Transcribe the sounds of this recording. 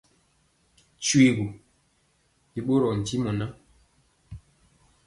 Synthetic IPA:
t͡ʃwi˦˨ɡu˨ | i˨ɓo˦ɾɔ˨n̩˨ti˦mɔ˨na˦

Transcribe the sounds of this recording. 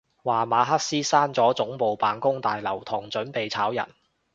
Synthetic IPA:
waː˨˩maː˨˧ɦɐ˥k̚siː˥saː˥nt͡sɔː˨˥t͡sʊ˨˥ŋpo˨˧wpaː˨nkʊ˥ŋt̪aː˨jlɐ˨˩wt̪ʰʊ˨˩ŋt͡sɵ˨˥npe˨jt͡sʰaː˨˥wjɐ̰˨˩n

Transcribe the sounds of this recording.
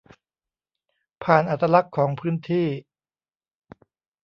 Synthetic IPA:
pʰaː˨˩nʔa˨˩t̪ːɾa˧la˦˥kʰːɔː˩˦ŋpʰɯː˦˥nt̪ʰiː˥˩

